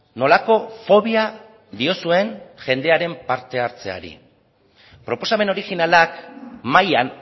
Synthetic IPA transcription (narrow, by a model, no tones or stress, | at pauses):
no̞lako̞fo̞β̞ia | d̪io̞sue̞nʝe̞nd̪e̞aɾe̞mpaɾt̪e̞aɾt͡se̞a̰ɾḭ | pɾo̞po̞same̞no̞ɾiɣinalakmajan